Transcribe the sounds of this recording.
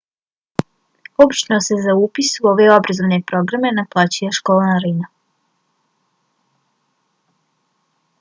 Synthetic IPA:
obit͡ʃniosezauːpisuo̞ʋeo̞bɾazone̞pɾo̞ɡɾame̞naplˠat͡ɕijaʃkoːlˠanaɾina

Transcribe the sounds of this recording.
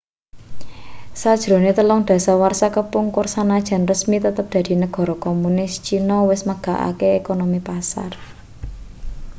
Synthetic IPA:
sad̥ʒ̥ɾo̤net̪əlɔŋd̪̥ä̤sawarsakəpʊŋkʊrsanad̥ʒ̥a̤nrəsmit̪ət̪əp̚d̪̥ä̤d̪̥i̤nəɡ̥ɔ̤ɾɔkomunɪst͡ʃinɔwɪsməɡ̥a̤ʔa̰keekonomipasa̰r

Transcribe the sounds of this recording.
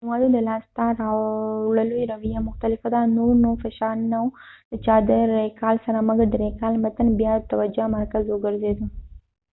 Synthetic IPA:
d͡ʒimad̪ud̪əlaːst̪aɾaɽəluɾawijamʊxt̪alɪfad̪anoɾnofaʃanawd̪̥ət͡ʃad̪əɾekaːlsɐɾaməɡd̪ɾekalmət̪ənbjat̪awad͡ʒʊamɐɾkazoɡəɾzed̪u

